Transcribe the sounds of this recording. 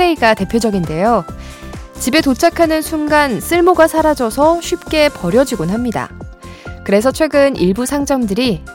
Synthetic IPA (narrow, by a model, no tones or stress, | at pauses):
eiɡate̞pʰjod͡ʑʌɡinde̞jo | t͡ɕibe̞tot͡ɕʰakʰanɯnsʰunɡans͈ɯɭmoɡasʰaɾad͡ʑʌsʰʌɕʰɥip̚k͈e̞pʌɾjʌd͡ʑiɡonɦamɲida̰ | kɯɾe̞sʰʌt͡ɕʰwe̞ɡɯniɭbusʰaŋd͡ʑʌmdɯɾi